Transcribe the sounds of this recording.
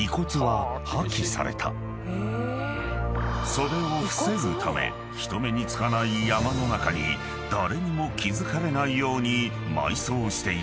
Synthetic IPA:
iko̞t͡sɨβahakʲːisa̰ɾe̞̰t̪ʰa̰ | so̞ɾe̞o̞ɸɯ̟̥se̞ɾɯ̟t̪ʰame̞̰ | çi̥t̪o̞me̞ɲ̟it͡sɨ̥kanaijamano̞nakaɲ̟ḭ | d̪̥aɾe̞ɲ̟imo̞kʲizɨkaɾe̞naijo̞ːɲ̟i | ma̰iso̞ːɕi̥t̪e̞i

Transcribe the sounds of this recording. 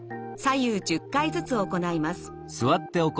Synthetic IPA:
sajɯːd͡ʑɨkːait͡sɨt͡sɨo̞ko̞naimasɨ̥ | sɨβat̪ːe̞ok

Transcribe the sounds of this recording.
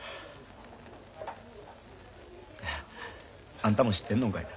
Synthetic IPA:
ãnt̪amoɕi̥t̪ːenːoŋka

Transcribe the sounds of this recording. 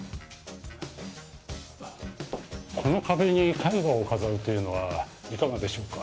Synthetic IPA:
kʰo̞no̞kabe̞ɲ̟ikaiɡaokazaɯ̟t̪ːe̞jɯ̟no̞βaikaɡad̪e̞ɕo̞ːkḁ

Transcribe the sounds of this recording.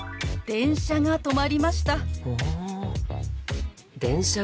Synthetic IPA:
d̪̥ẽ̞ɰ̃ɕaŋat̪o̞maɾʲimaɕi̥t̪a | d̪ẽ̞ɰ̃ɕa

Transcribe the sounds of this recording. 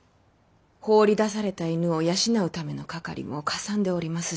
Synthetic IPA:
ho̞ːɾʲid̪asaɾe̞t̪ainɯ̟o̞jaɕinaɯ̟t̪ame̞no̞kaka̰ɾʲʔḭmo̞kasãnd̪e̞o̞ɾʲimasɨ̥

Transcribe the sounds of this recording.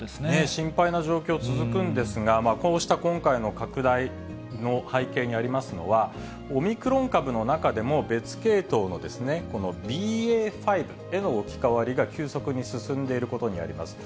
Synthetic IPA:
esnneɕĩmpainaʑo̞ːkʲo̞ːt͡sɨzɨkɯ̟̃nd̪e̞sɨɡamaːko̞ːɕi̥t̪akõ̞ŋkaino̞kakɯ̟d̪ai | no̞haike̞ːɲ̟iaɾʲimasɨno̞βa | o̞mʲikɯ̟ɾõ̞ŋkabɯ̟no̞nakad̪e̞mo̞be̞t͡sɨ̥ke̞ːt̪o̞ːno̞d̪e̞sɨne̞ko̞no̞bʲiːeːɸaibɯ̟e̞no̞okʲi̥kaβaɾʲiɡakʲɨːso̞kɯ̟ɲ̟isɨsɨ̃nd̪e̞iɾɯ̟ko̞t̪o̞ɲ̟ia̰ɾʲḭma̰sɨ̥

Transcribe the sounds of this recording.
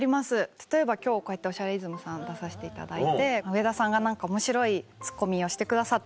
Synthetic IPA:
ɾʲimasɨt̪ḁt̪o̞e̞bakʲo̞ːko̞e̞t̪ːeo̞ɕaɾeizɨmɯ̟sãnd̪asaɕi̥t̪e̞it̪a̰d̪ait̪e̞ɯ̟e̞d̪asãŋɡanãŋkaomo̞ɕiɾo̞it͡sɨ̥kːo̞mʲio̞ɕi̥t̪e̞kɯd̪asat̪ː

